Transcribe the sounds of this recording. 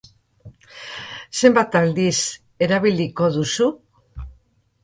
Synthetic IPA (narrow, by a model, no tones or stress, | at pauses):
se̞mbat̪ald̪is | e̞ɾaβiliko̞ðusu